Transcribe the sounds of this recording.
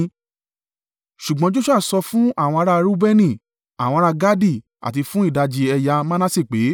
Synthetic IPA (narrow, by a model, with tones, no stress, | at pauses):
ʃu˨ɡ͡bɔ̃˨˦d͡ʒo˦ʃu˦a˦˨sɔ˧fũ˦a˦˨w̃ɔ̃˧a˧ɾa˧ɾu˦bɛ˦nĩ˦˨ | a˨w̃ɔ̃˧ɾa˧ɡa˦di˦˨ | a̰˨ti˧fũ˦i˦˨da˧d͡ʒi˧ɛ˧ja˧mã˦nã˦si˦˨k͡pe˨˦